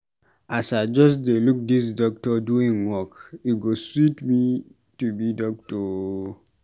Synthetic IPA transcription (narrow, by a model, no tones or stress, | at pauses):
ʔasaɪd͡ʒɔsdeluk̚dis̬dɔk̚tɔduĩŋwɔkiɡoswitmi | tubidɔk̚tɔ